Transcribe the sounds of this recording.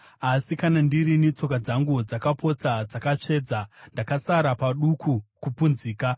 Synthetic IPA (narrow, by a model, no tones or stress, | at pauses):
asikanandirinit͡so̞kad͡zaŋɡud͡zakapʰo̞t͡sad͡zakat͡ʂe̞ːd͡zandakasaɾapaɗukʰukupunziːka